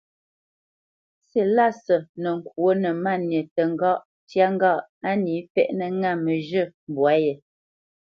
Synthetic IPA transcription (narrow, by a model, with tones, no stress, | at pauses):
se˨la˦sə˨nə˨ŋ̩˨kwo˦nə˨ma˦˨njə˨tə˨ŋ˦˨ɡɔ˦ʔ | tja˦ŋ˦ɡɔ˦˨ʔa˦ni˨˦fɛ̰˦ʔnə˦ŋa˦˨mə˨ʒə˦˨m˨bwa˨˦je˨